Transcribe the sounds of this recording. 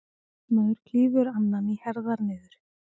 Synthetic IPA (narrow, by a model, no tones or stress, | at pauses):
nɔʏɾ̥cʰiːvʏɾanːanihɛɾðaɾnɪːðʏɾ̥